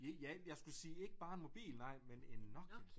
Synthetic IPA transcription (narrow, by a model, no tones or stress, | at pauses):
ejæjɑ̈ɪsɡ̥usiːe̝ɡ̥əb̥ɑ̈ːe̝nmo̝b̥ḭːlnɑ̈ɪ̰mene̝nːɒ̽ɡ̥